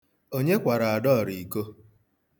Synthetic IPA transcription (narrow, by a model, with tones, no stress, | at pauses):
o˦ɲe˦kʷa˨ɾa˨a˨dɔ˦˨ɾi˨i˨ko˦